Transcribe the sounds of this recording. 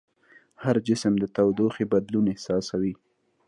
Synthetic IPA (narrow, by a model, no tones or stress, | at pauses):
haɾd͡ʒɪsəmd̪ət̪awd̪oxebad̪lunɪhsɑsawi